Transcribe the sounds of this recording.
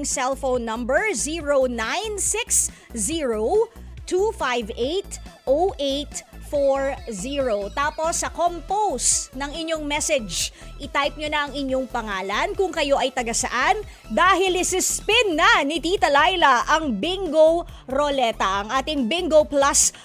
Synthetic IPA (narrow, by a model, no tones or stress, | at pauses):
ŋsɛlfownːɐmbɛɹziɹownajnsɪksziːɹowt̪ufajvʔejt̪ʔowʔejt̪foɹziɹot̪aːpo̞sːɐkompowsnɐŋɪɲːoŋmɛsɛd͡ʒʔɪt̪ajp̚ɲonɐɐŋɪɲːoŋpɐŋaːlɐnkʊŋkɐjo̞ʔɐjt̪ɐɡɐsɐ̰ʔan | d̪aːɦɪlɪsɪspɪnːɐnɪt̪it̪ɐlajlɐʔɐŋbɪŋɡow | ɾolɛt̪ɐʔɐŋʔaːt̪ɪŋbɪŋɡoplɐs